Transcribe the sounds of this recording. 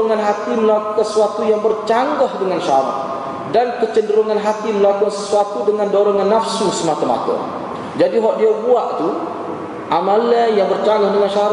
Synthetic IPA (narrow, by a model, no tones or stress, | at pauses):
ŋanɦat̪iməlakəsuat̪ujaŋbərt͡ʃaŋɡahdəŋanʃaɾa̰k̚ | dankət͡ʃəndəɾuŋanɦat̪iməlakʊŋsəsuat̪udəŋandoɾɔŋanːafsusəmat̪ama̰t̪ə̰ | d͡ʒadiɦɔʔdiabuaʔt̪u | ʔamalanjaŋbərt͡ʃaŋɡɔhdəŋanʃaaɾ